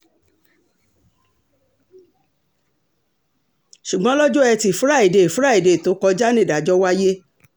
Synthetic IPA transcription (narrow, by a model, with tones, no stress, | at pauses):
ʃu˨ɡ͡bɔ̃˦lɔ˦d͡ʒo˦ɛ˧ti˧˨fu˨˦ɾa˦˨i˨de˧˨fu˦ɾa˦˨i˨de˨to˨˦kɔ˧d͡ʒa˦nĩ˦˨da˨d͡ʒɔ˦wa˦je˦